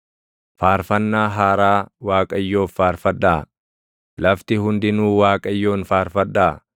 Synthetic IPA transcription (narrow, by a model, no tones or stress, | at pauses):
faːɾfɐnːaːɦaːɾaːwaːkʼɐjːo̞ːfːaːɾfɐᶑːaː | lɐft̪ɪɦʊnd̪ɪnuːwaːkʼɐjːo̞ːnfaːɾfɐᶑːaː